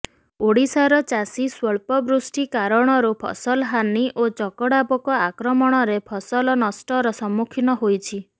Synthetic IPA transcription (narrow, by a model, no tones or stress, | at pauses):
oɽisaɾɔt͡ʃasiswɔɭpɔbɾusʈikaɾɔɽ̃ɔɾupʰɔ̰sɔlɔɦaniʔot͡ʃɔkɔɽapɔkɔakɾɔmɔɽ̃ɔɾepʰɔsɔlɔnɔsʈɔɾɔsɔmukʰinɔɦojt͡ʃʰi